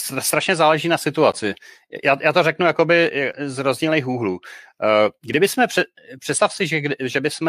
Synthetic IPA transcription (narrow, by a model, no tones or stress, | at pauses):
sast̪ɾaʃɲɛzaːlɛʒiːnasɪt̪uat͡sɪ | jʔaːjaːt̪orɛknujako̞bɪzɾozɲiːlneːxuːɦluː | ɡdɪbɪsmɛr̥ɛ | pr̝̥ɛt̪st̪afsɪʒɛʒɛbɪsmɛ